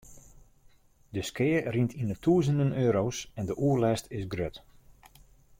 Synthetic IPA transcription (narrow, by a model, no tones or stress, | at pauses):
dəskɪːərintʰinətʰuəzəndənøːɾowsɛndəʔuəlɛstʰɪsɡrøt